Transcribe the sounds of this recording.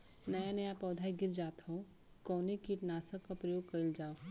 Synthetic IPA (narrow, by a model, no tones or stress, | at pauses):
nɐjanɐjapɔːd̪ʱajɡɪɾd͡ʒaːt̪ʰo | kɔːnikiʈ̪naːsakːapɾɐjoːɡ̚kɐɾild͡ʒaːo